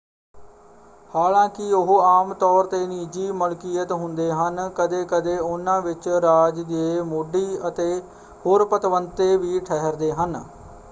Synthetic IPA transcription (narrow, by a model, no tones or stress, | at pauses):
haːlãːkɪʊɦaːmt̪ɔːɾt̪eːniːd͡ʒiːmʊlkiːət̪ɦʊnd̪eːɦənkəd̪eːkəd̪eːʊnãːʋɪt͡ʃɾaːd͡ʒd̪eːmʊɖiːət̪eː | hoːɾpət̪ʋənt̪eːʋiːʈʰɛɦəɾd̪eːɦən